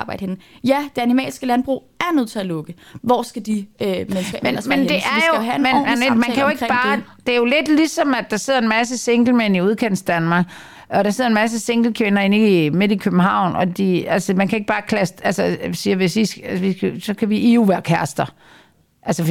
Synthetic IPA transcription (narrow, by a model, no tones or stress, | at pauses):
b̥ɑ̈ɪ̰ɾ̥əhen̩jæd̥eænimɛ̰ːlsɡ̥əlænb̥ʁṵː | æɐnøð̞̰ˠt͡sʰe̝ælɔ̽ɡ̥əʋɒ̰sɡ̥æd̥imensɡ̥menmend̥e̝æɐjohæmenmnemænkʰæjoe̝ɡ̥b̥ɑːd̥eæɐjo̝le̝d̥lisɒ̽mædːɑ̈se̝ð̞ˠɐe̝nmæs̬əse̝ŋɡ̥l̩men̰iuð̞ˠkʰen̰sd̥ænmɑ̈ːɡ̥ | ɒ̽ɾɑ̈seð̰ˠɐenmæs̬əseŋɡ̥l̩kʰʋenɐenime̝d̥ˠikʰøb̥m̩ɦɑ̈ʊ̰nɒd̥iælsəmænkʰæe̝ɡ̥̚b̥ɑ̈ːkʰlæsd̥ælsəsiːɐʋe̝sʋisæsʋisɡsɒ̽kʰæʋiʔiuʋæɐkʰæɐsd̥ɐ | ʔælsə